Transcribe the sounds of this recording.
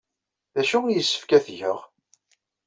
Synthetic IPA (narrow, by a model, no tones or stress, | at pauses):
ðæʃujəsːə̥fkæθʝəʁ